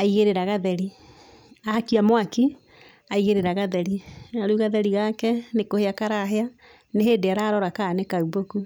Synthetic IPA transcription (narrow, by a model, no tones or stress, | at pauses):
aiɣeɾeɾaɣaðɛɾi | aakiamwaki | aiɣeɾeɾaɣaðɛɾiaɾuɣaðɛɾiɣakɛnekoheakaɾaɦea | neɦeːdeaɾaɾɔɾakaːnekauboku